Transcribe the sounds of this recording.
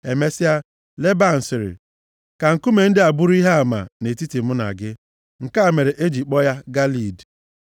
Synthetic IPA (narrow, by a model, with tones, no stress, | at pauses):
e˨me˦sɪ˦a˦ | le˦ba˦n̩˨sɪ˨ɾɪ̰˨ | ka˨ŋ̩˨ku˦me˨n̩˦dɪ˦a˨bʊ˦ɾi˦ɦe˦a˨ma̰˨ne˨ti˦ti˨mʊ˦na̰˨ɡɪ˦ | ŋ̩˨ka˦˨me˨ɾe˨ʔe˦d͡ʒi˨k͡pɔ˦ja˦ɡa˦li˨d